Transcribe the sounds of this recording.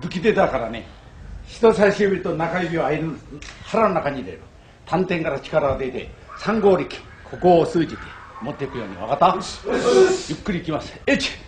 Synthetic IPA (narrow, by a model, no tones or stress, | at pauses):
bɯ̟kʲid̪e̞d̪akaɾane̞̰ | çi̥t̪o̞saiɕɯːbʲiɾɯt̪onakaibʲiaaiɾɯhaɾanonakaɲiɾe | t̪ʰãnt̪ẽŋkaɾat͡ɕi̥kaɾaod̪e̞t̪e̞̰ | sãŋɡo̞ːɾʲikʲi̥ | kʰo̞ko̞ːsɨːd͡ʑit̪e̞mo̞t̪ːeikɯ̟jo̞ːɲ̟iβakat̪ːa | jɯ̟kːɯ̟ɾʲiːkʲimasɨ̥et͡ɕi̥